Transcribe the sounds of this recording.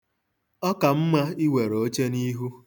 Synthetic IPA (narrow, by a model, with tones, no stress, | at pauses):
ɔ˦ka˨m̩˦ma˦i˦we˨ɾoo˦t͡ʃe˦ni˦ɦu˦